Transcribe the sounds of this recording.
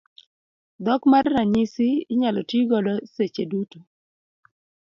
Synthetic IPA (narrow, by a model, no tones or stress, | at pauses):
d̪ɔkmarːaɲisɪːɲalɔtiɡɔlɔset͡ʃedutu